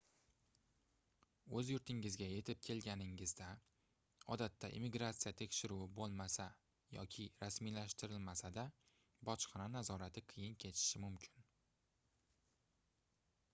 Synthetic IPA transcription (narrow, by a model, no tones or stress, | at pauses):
ɵzjʊɾt̪ʰɪŋɪzɡʲaje̞t̪ʰɪp̚kʲʰe̞lɡʲanɪŋɪzd̪a | ɒd̪at̪ʰːaʔḭmːɪɡɾat̪sijat̪ʰe̞kʲʃɪɾuɪbolˠmasa | jɒ̰kʲʰɪɾasmilaʃt̪ɪɾɪlmasad̪a | bɒt͡ʃqɑnanazɒɾat̪ʰɪqʰɨjɪnkʲʰe̞t̪ʰɪ̥ʃɪmʊmkʲʰɪn